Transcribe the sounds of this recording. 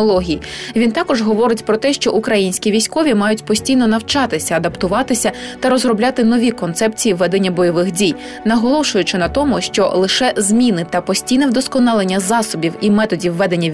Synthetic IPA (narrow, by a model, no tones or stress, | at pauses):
lˠɔɦʲijiʋʲint̪ɑkɔʒɦɔʋɔɾɪtʲpɾɔt̪ɛʃt͡ʃɔʔukɾɐjinʲsʲkʲiʋʲijsʲkɔʋʲimɑjʊtʲpɔsʲtʲijnɔnɐwt͡ʃɑt̪ɪsʲɐɐd̪ɐpt̪ʊʋɑt̪ɪsʲɐt̪ɐɾɔzrɔblʲat̪ɪnɔʋʲikɔnt̪sɛpt͡sʲijiʋːɛd̪enʲːɐbɔjɔʋɪxdʲij | nɐɦɔlˠɔʃʊjʊt͡ʃɪnɐt̪ɔmʊʃt͡ʃɔlˠɪʃɛzmʲinɪt̪ɐpɔsʲtʲijnɛwd̪ɔskɔnɑlˠenʲːɐzɑsɔbʲiwimɛt̪ɔdʲiwːɛd̪e̞nʲːɐ